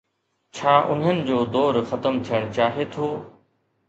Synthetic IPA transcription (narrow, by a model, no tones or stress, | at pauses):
t͡ɕʰaːʔʊnɦənɪ̆d͡ʑoːd̪ɔːɾxɐt̪əmt̪ʰijəɽ̃t͡ɕaːɦet̪ʰoː